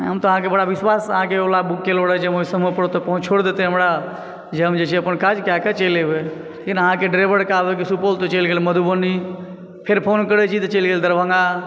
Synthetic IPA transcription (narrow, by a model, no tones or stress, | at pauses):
ɦəmt̪oəɦãkebəɽabiswasəɦãkeolabukːeloɽɛd͡ʒeəmoisəməpəɽt̪ɔpəɦũt͡ʃʰoɽd̪et̪ɛɦəmɾa | d͡ʒeɦəmd͡ʒet͡ʃʰiəpənkad͡ʒkaket͡ʃelebe | lekinəɦãkeɖɾebəɽkabek̬isupolt̪ot͡ʃəlɡelməd̪ʱubənːi | pʰeɾpʰonkəɾɛt͡ʃʰit̪ɔt͡ʃəlɡeld̪əɾbʱə̃ŋɡa